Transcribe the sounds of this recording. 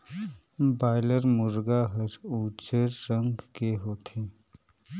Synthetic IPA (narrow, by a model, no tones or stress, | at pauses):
baːɪləɾmʊɾɡaɦəɾuːt͡ʃəɾːə̃ŋɡkeɦoːt̪eː